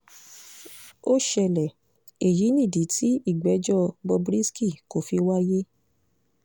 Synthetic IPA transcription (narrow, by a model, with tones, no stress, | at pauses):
o˦ʃɛ˧˨lɛ˨ | e˨ji˨˦nĩ˦˨di˨˦tʰi˦i˦˨ɡ͡bɛ˨˦d͡ʒɔ˦˨bɔ˧bɾi˦ski˦˨ko˨fi˧wa˦je˦